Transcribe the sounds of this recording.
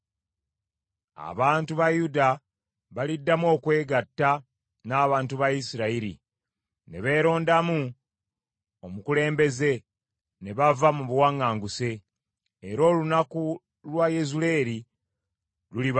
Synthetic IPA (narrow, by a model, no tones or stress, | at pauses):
a̰βaːntuβajuda | βalidːamo̞ːkwe̞ːɡatːa | naːβaːntuβajisiɾaiɾḭ | ne̞βe̞ːɾo̞ːndamu | omukule̞ːmbe̞ze̞ | ne̞βavamuβuwaŋːaːŋɡuse̞ː | ɾo̞ːlunaku | lwajezule̞ɾi | luliβ